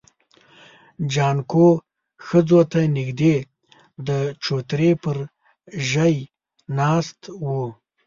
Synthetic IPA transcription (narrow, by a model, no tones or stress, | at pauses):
d͡ʒɑnko | xəd͡zot̪anɪɡd̪e | d̪ət͡ʃot̪ɾepəɾ | ʒəj | nɑst̪wu